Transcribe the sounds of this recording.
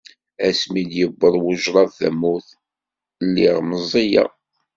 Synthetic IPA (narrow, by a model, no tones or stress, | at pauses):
æsmiljəbːəðˤwʊʒɾˤɑðθæ̰mːuθ | nːiʁməzˤːija̰